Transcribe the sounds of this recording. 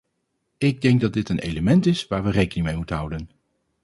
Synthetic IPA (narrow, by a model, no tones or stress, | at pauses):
ɪɡ̚dɛŋɡ̚dɑd̚ɪtənʔejləmɛntɪsʋaːɹʋərejkənɪŋmejmutənɦʌwdən